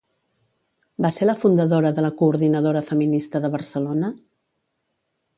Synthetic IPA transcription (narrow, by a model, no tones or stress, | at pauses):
baseləfund̪əðoɾəðələkuːɾðinəðoɾəfəminist̪əðəβ̞ərsəlonə